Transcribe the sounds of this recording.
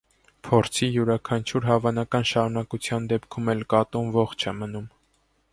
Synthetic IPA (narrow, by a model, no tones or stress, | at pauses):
pʰɔɾt͡sʰijuɾɑkʰɑnt͡ʃʰuɾɦɑvɑnɑkɑnʃɑɾunɑkut͡sʰjɑnd̪ɛpkʰumɛlkɑt̪umvɔχt͡ʃʰɛmənum